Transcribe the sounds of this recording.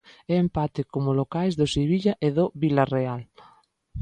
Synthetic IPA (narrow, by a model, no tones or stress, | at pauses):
ɛempat̪ɪkomʊlokajzðʊseβiʎɐʔeðoβilareal